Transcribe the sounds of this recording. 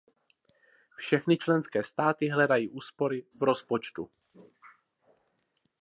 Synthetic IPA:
fʃɛxnɪt͡ʃlɛnskɛːst̪aːt̪ɪɦlɛdajiːʔuːspo̞ɾɪvɾo̞spot͡ʃt̪u

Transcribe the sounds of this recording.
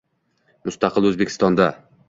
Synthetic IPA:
mʊst̪ɑqʰɨlˠɵzbekʰʲɪ̥st̪ɒnd̪a

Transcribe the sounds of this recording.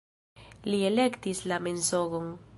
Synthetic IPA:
lie̞le̞kt̪islame̞nsoɣoŋ

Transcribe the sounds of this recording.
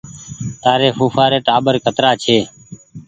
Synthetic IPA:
t̪aːɾeːfuːfʰaːɾeːʈaːɓəɾkət̪ɾaːt͡ʃʰeː

